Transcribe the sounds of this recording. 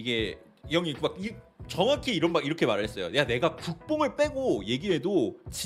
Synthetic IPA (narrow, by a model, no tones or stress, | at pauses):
iɡe̞ | jʌŋikmak̚it͡ɕʌŋakʰiiɾʌnmaɡiɾʌkʰe̞maɾɯɭɦe̞s͈ʌjo̰neane̞ɡakuk̚p͈oŋɯɭp͈e̞ɡoje̞ɡiɦe̞dot͡ɕi